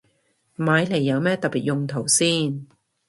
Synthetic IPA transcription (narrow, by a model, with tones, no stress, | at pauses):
maː˨˧jle˨˩jːɐ˨˧wmɛː˥t̪ɐ˨k̚piː˨t̚jʊ˨˧ŋt̪ʰo˨˩wsiː˥n